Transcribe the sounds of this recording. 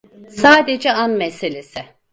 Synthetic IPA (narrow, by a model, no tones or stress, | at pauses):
saːd̪ed͡ʒɛanmese̞lʲesɪ